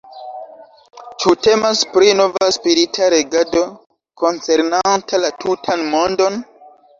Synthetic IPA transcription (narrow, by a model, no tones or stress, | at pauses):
t͡ʃute̞maspɾino̞vaspiɾitʰaɾe̞ɡado̞ | ko̞nt͡se̞ɾnantalatʰutʰanmo̞ndo̞n